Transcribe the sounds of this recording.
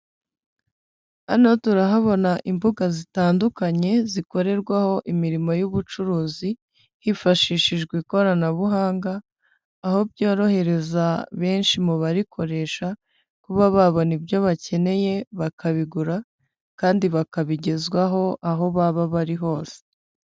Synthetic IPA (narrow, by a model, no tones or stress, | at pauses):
anotuɾaɦaβo̞naʔimbuɡazitaːndukaɲe̞ziko̞ɾe̞ɾɡwaho̞ʔimiɾimo̞juβut͡ʃuɾuːzi | hifaʃiːʃiʒɡwiːko̞ɾanaβuɦaːŋɡaː | ho̞bjo̞ːɾo̞he̞ɾe̞zaβe̞ːnʃimuβaɾikʰo̞ɾe̞ʃa | kuβaβaβo̞nibjo̞βace̞ne̞je̞βakʰaβiɡuɾa | kaːndiβakaβiɟe̞zɡwaɦo̞ʔaɦo̞βaβaβaɾiɦo̞ːse̥